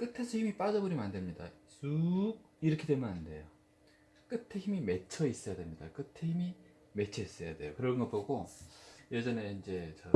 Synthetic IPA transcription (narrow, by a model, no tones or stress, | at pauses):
k͈ɯtʰesʰʌçimip͈ad͡ʑʌboɾimandɯmɲida̰sʰuɡ̚ | iɾʌkʰede̞mɯnannde̞jo | k͈ɯtʰeçimime̞t͡ɕʰʌis͈ʌjademɲida̰k͈ɯtʰeçimi | me̞t͡ɕʰʌis͈ʌjade̞jokɯɾʌŋɡʌpoɡo | jed͡ʑʌne̞ind͡ʑe̞t͡ɕʌ